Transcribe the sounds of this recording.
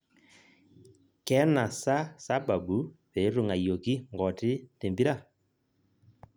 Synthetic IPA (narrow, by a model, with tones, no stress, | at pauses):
kɛ˦na˨sa˦sa˦ba˨bu˨˦βe˨˦ɾo˦˨ŋa˨jo˨ki˦ŋɡɔ˨tɪ˦te˨mbi˦ɾa˦˨